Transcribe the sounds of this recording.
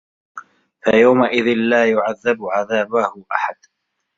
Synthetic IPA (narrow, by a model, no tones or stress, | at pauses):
fajawmaʔɪðɪnlaːjʊʕaðːabʊʕaðaːbahʊʔaħad̪